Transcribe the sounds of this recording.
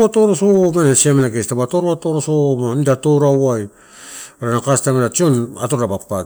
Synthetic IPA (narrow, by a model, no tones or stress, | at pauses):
atoɾosomanasiamenaɡestabatoɾoatoɾosomanidatoɾawwaj | ɾanakastameɾat͡ʃiona̰toɾɾabapaɡ